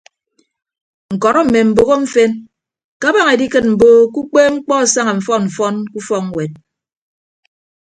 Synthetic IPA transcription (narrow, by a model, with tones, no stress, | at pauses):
ŋ̩˨kɔ˨ɾɔ˦m̩˨me˨m̩˨bo˨ɣo˦ɱ̩˦fe˦n | ka˦ba˦ŋe˨di˦kɨ˦t̚m̩˨boː˦ku˦k͡peː˦ŋ͡m̩˦k͡pɔ˦˨sa˦ŋa˨m̩˨fɔ˦nm̩˨fɔ˦nku˦fɔ˦kwe˨t̚